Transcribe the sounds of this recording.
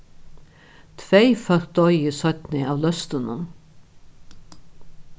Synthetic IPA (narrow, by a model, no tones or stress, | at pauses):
t̪ʰʋeɪfœɾ̚d̪ɔʏisœt̪nɪɑːʋlœst̪ənən